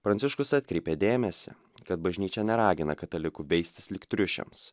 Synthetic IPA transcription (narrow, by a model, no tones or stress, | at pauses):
pɾɐnʲsʲɪʃkʊsɑt̪ʲkɾʲɛɪpʲeːd̪ʲeːmʲɛsʲɪ̰ | kɐt̪bɐʒʲnʲiːt͡ʃʲɛnʲɛɾɑːɡʲɪnɐkɐt̪ɐlʲɪkuʋʲɛɪsʲt̪ʲɪslʲɪkt̪ʲɾʲʊʃʲɛ̰ms